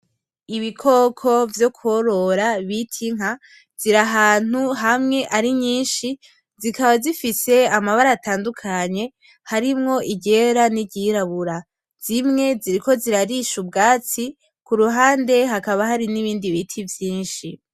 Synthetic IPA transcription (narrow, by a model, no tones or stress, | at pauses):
iβikʰo̞kʰo̞vjo̞kuoɾo̞ɾaβitʰiŋ̥a | z̥iɾaɦaːn̥uɦamŋe̞ʔaɾiɲiːnʃi | zikaβazifise̞amaβaɾaːtaːndukʰaɲe̞ | haɾimŋo̞ʔiɟe̞ɾaniɟiɾaβuɾa | z̥imŋe̞ziɾiko̞ziɾaɾiʃubɡaːt͡si | kuɾuɦaːnde̞ɦakaβaɦaɾiniβiːndiβitʰivjiːnʃi